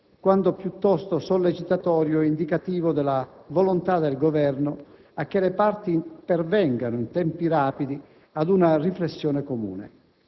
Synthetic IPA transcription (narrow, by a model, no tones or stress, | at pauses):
kwand̪opjut̪ːɔst̪osɔlːet͡ʃit̪at̪ɔːɾjoind̪ikat̪iːvod̪ɛlavɔlont̪ad̪elɡovɛrnʊ | akːelepart̪ipɛrvɛŋɡanʊint̪ɛmpiraːpid̪i | ad̪unariflesːjɔːnekomṵːnḛ